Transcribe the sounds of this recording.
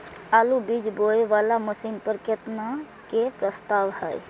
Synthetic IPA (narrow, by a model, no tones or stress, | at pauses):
aːlubid͡ʒboeʋalaməsinpəɾkət̪na | kepɾəst̪aːʋhɛ̰j